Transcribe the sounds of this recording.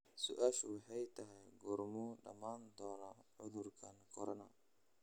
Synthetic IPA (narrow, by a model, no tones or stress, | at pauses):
sʊʔaːʃwɑħɑjt̪ʰɐɦɛjɡɔrmuɖɐ̰maːnd̪ɔːnaʕʊðʊrkʰɐnkʰɔɾɔnɐ